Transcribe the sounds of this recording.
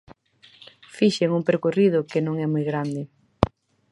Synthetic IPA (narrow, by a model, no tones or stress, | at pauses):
fiʃeŋuŋpeɾkorið̞ʊkenõŋɛmɔjɣɾand̪ɪ